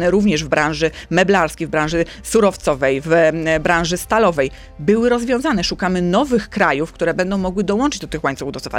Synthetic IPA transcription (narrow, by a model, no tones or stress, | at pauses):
nɛɾuvɲɛʐvbɾãnʐɘmɛblaɾskʲejvbɾãñʐɘ | suɾɔft̪sɔvɛjvbɾãw̃ʐɘst̪alɔvɛj | bɘwɘɾɔzvʲjɔ̃w̃zanɛʂukamɘnɔvɘxkɾajufkt̪uɾɛbɛnd̪ɔ̃w̃mɔɡwɘd̪ɔwɔnt͡ʂɘd͡ʑd̪ɔt̪ɘxwaɲt̪sufud̪ɔufa̰